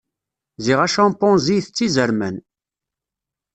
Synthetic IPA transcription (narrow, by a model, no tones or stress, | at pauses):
ziʁæʃɑ̃mpɔ̃nzijθət͡sːizəɾmən